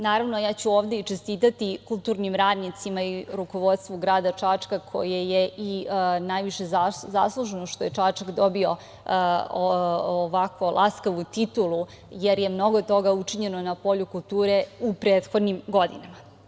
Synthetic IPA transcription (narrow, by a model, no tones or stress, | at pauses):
naːɾaʋnojaːt͡ɕuoːʋd̪e̞it͡ʂest̪iːt̪at̪ikulˠt̪uːɾnimɾaːd̪nit̪simaiɾuko̞ʋo̞d̪st̪ʋuɡɾaːd̪at͡ʂat͡ʂkakʰo̞̰jejeʔinajʋiʃezaza̰slˠuʒenoʃt̪oje̞t͡ʂaːt͡ʂakd̪o̞bio̞ | ʋakʋo̞lʔaskaʋut̪it̪ulˠu | jeɾje̞mno̞ɡot̪o̞ɡaut͡ʂiɲe̞nonapo̞ʎukulˠt̪uːɾeupɾeːt̪xo̞d̪nimɡo̞d̪ḭnama